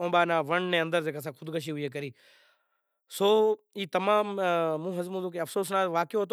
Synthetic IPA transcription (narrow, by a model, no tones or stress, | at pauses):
õːɓaːnãːʋəɳnẽːə̃nd̪əɾd͡ʒeːkas̬ãːkʰʊd̪kəʃ̬iːɦʊieːk̬əɾiː | soː | iːt̪ɐmãːmːũːɦɐzmũːd̪oːkeɐfsoːs̬naːʋaːkjoɦɐt̪̬o